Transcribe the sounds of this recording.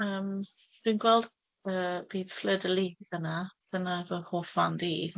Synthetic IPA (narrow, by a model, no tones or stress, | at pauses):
əːm | d̥wiːnɡwɛlˠd | əːb̥iːð̥flədəlˠiðənab̥ənavəhoːfandiː